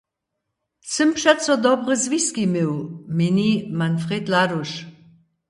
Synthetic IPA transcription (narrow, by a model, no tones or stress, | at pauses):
səmpʃɛt͡sɔd̪ɔbʁəzviskimewminimanfʁed̪laɾuʃ